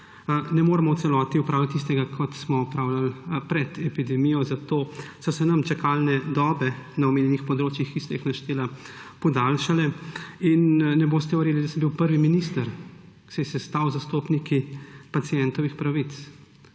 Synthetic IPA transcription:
nɛmoːɾɛmɔw̪sɛlɔːt̪iupɾaːwlat̪ːis̬t̪ɛɡakʰɔt̪smɔɔpɾaːwlalpɾɛd̪ɛpid̪ɛmijɔzat̪oːsɔsɛnɐmt͡ʃakʰalnɛd̪ɔːbɛnaɔmeːnʲjɛnixpɔd̪ɾoːt͡ʃjixkist̪ɛjixnaʃt̪eːla | pɔd̪alʃalɛinːɛboːst̪ɛʋɛɾjeːlid̪asəmbiwpəɾʋiminist̪əɾ | sɛjɛsɛst̪awzast̪oːpnikipat̪sijɛnt̪ɔʋixpɾaʋit̪s

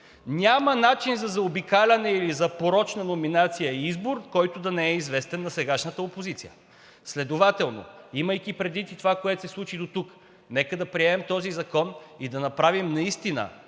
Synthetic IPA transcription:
nʲamɐnat͡ʃinzɐzɐobikalʲɐnɛilizɐpoɾɔt͡ʃnɐnominat̪sijəiizboɾkɔjt̪ʊd̪ɐnɛɛizvɛst̪ɛnːɐsɛɡaʃnət̪əopozit̪sijə̰ | slɛd̪ovat̪ɛlˠno̰iməjkipɾɛd̪vit̪it̪ovakoɛt̪o̥sɛslˠut͡ʃid̪ot̪uk | nɛkəd̪ɐpɾiɛmɛmt̪ɔzizɐkɔnid̪ɐnɐpɾavimnɐist̪inə̰

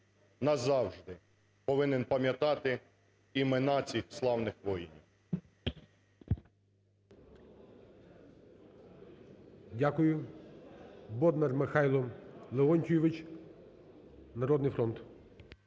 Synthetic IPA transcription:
nɐzɑwʒd̪ɪ | pɔʋɪnenpɐmʲjɐt̪ɑt̪ɪ | imɪnɑt͡sʲixslˠɑwnɪxʋɔjinʲiw | dʲakʊjʊ | bɔd̪nɐrmɪxɑjlˠɔlˠeɔnʲtʲujɔʋɪt͡ʃ | nɐɾɔd̪nɪjfɾɔnt̪

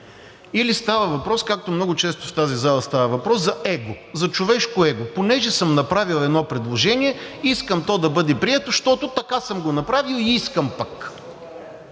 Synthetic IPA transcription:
ilist̪avəvɐpɾɔskak̚t̪omnɔɡʊt͡ʃɛst̪ʊft̪azizalˠəst̪avəvɐpɾɔszɐɛɡo | zɐt͡ʃovɛʃkoɛɡoponɛʒɛsɤmnɐpɾavilˠɛd̪nɔpɾɛd̪lˠoʒɛniɛiskəmt̪ɔd̪ɐbɤd̪ɛpɾiɛt̪oʃt̪ɔt̪ot̪ɐkasɤmɡonɐpɾavilˠiiskəmpɐk

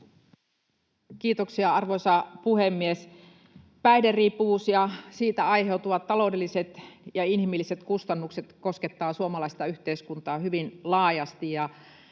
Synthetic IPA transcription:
k̟iːt̪oksiɑɑrʋojsɑpuhemːies | pæideriːpːuʋuːsjɑsiːt̪æɑjɦe̞ut̪uʋɑt̪ːɑlo̞ːde̞lːiset̪jɑinhimilːiset̪kust̪ɑnːukse̞t̪ko̞sket̪ːɑːsuomɑlɑist̪ɑyht̪eiskunt̪ɑːhyʋinlɑːjɑst̪ijjɑ

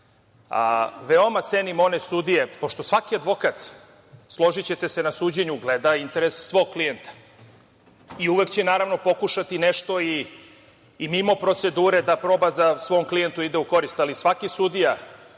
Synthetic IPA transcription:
a̰ʋeo̞mat̪senimo̞nesud̪ije̞po̞ʃt̪o̞sʋakiad̪ʋo̞kat̪ | slˠo̞ʒit͡ɕet̪e̞se̞nasuːd͡ʑeɲuɡled̪aint̪e̞ɾesːʋo̞ɡ̚klijent̪ḁ | iuʋe̞kt͡ɕenaːɾaʋno̞po̞kuʃat̪ineʃt̪o̞iː | mimo̞pɾo̞t̪se̞d̪uːɾe̞d̪apɾo̞ːbad̪asʋo̞ːmklijent̪uid̪euko̞ɾist̪alisʋakisud̪ija

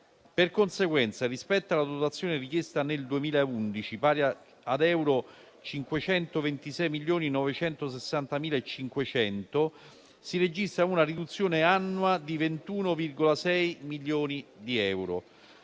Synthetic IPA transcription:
perkonseɡwɛnt̪sarispɛt̪ːalːad̪ot̪at̪sːjoːnerikjest̪aneld̪uemiːlaeund̪it͡ʃipaːɾja | ad̪ɛwɾo | t͡ʃiŋkwet͡ʃɛnt̪ovent̪isɛjmiljoːninɔvet͡ʃɛnt̪os̬esːant̪amiːlaet͡ʃːiŋkwet͡ʃɛnt̪o | sired͡ʒist̪ɾaunarid̪ut̪sːjoːneanːwad̪ivent̪uːnovirɡolasɛjmiljoːnid̪iɛwɾo

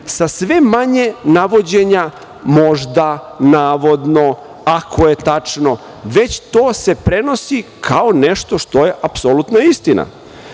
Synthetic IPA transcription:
sasʋe̞maɲe̞naʋo̞d͡ʑeɲa | mo̞ʒd̪anaːʋo̞d̪no̞ | akʰo̞je̞t̪at͡ʂno̞ | ʋe̞t͡ɕt̪oːse̞pɾe̞no̞sikʰaone̞ʃt̪o̞ʃt̪oje̞ʔapsolut̪naist̪ina̰

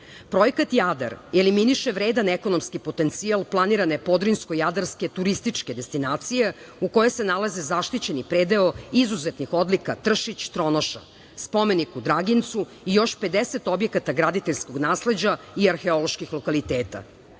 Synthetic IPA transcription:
pɾo̞jekat̪jad̪a̰ɾeliminiʃeʋɾeːd̪aneko̞no̞mskipo̞t̪e̞nt̪sialˠplˠaniɾane̞po̞d̪ɾinsko̞jad̪aɾske̞t̪uɾist̪it͡ʂke̞d̪e̞st̪inaːt̪sije̞ | uko̞jesenalazezaʃt̪it͡ɕe̞nipɾeːd̪e̞oizuzet̪nixo̞d̪likat̪r̩ʃit͡ɕt̪ɾo̞noʃa̰ | spo̞me̞nikud̪ɾaɡint̪su | ijo̞ʃpe̞d̪ese̞t̪o̞bje̞kat̪aɡɾad̪it̪eʎʲsko̞ɡnaːsle̞d͡ʑa | iaɾxe̞o̞lˠo̞ʃkixlˠokalit̪eːt̪a̰

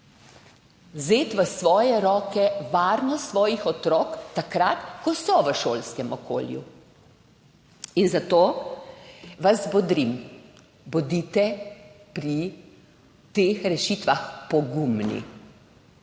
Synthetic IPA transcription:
zeːt̪ʋəsʋɔːjɛɾɔːkɛʋaːɾnɔssʋɔːjixɔt̪ɾɔːkt̪ːakɾat̪kɔsɔʋəʃoːlskɛmɔko̰ːljṵ | inzat̪oː | ʋazbɔd̪ɾim | bɔd̪iːt̪ɛ | pɾi | t̪eːxɾɛʃiːt̪ʋaxpɔɡumnḭ

